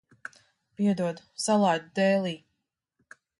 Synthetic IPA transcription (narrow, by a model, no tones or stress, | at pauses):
piɛd̪uɔd̪u̥salˠajd̪ud̪ɛːlˠiː